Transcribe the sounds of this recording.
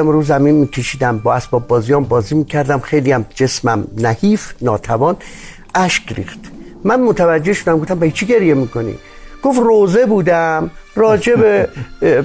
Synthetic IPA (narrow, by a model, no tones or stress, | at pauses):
æmɾuːzæminmiːkʰeʃiːd̪æmbɒːæsbɒːbːɒːzijɒːmbɒːziːmiːcʰæɾd̪æmxejlijæmd͡ʒe̞smæmnæhiːfnɒːt̪ʰævɒːn | ʔæʃkɾḭːxt̪mænmot̪ʰævæd͡ʒːeʃod̪æmɡoft̪æmbæit͡ʃʰiɡe̞ɾijemiːko̞nḭ | ɡ̥o̞froːze̞buːd̪æmrɒːd͡ʒe̞be